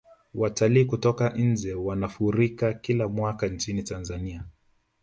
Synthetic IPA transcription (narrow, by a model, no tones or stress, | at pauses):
wataliːkutɔkan̩d͡ʒɛwanafuɾikakilamwakant͡ʃinitanzania